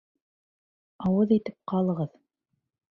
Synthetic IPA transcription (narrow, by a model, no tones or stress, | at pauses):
ɑwɤðit̪ɘp̚qɑlˠɤ̆ʁɤð